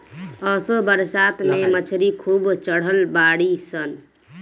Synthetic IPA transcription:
ɔːsobəɾsaːt̪memət͡ʃʰɾikʰuːbt͡ʃəɽ̤əlbaːɽisən

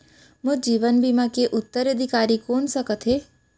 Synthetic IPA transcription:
mʊd͡ʒiːʋənbiːmakeʔʊt̪ːəɾəd̪ʱɪkaːɾikoːnsəkət̪ɦeː

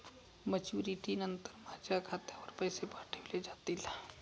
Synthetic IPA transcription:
mət͡ʃuːɾiʈinənt̪əɾmad͡ʒakʰaːt̪eɔɾpəjsebaːʈʰeled͡ʒaːt̪ila

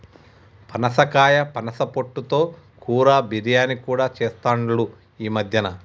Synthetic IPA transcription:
pɐnɐsɐkaːjɐpɐnɐsɐpoʈːut̪o̞ː | kuːɾaːbiɾijaːnikuːɽaːt͡ʃɛːst̪aːɳɐɽu | iːmɐd̪ʱjɐnɐ

